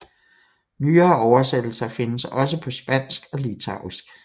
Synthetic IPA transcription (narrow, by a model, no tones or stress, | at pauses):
nyːɐːɒʊɐsed̥l̩sɐfe̝nəsɒ̽s̬əpʰɒ̽sb̥æn̰sɡ̥ɒ̽lit͡sʰɑ̈ʊ̰isɡ̥